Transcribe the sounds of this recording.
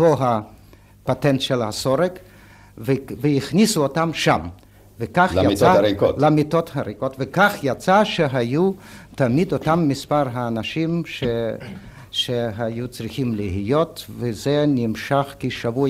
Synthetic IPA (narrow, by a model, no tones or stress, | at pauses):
toɦa | pat̪ent̪ʃelhasoɾek | vevejiχnisuot̪amʃam | vekaχjat͡saikolamit̪ot̪haɾikot̪vekaχjat͡saʃeɦajut̪amid̪ot̪amːispaɾɦaːnaʃimʃe | ʃeɦajut͡sʁiχimliɦijot̪vezenimʃaχkiʃavu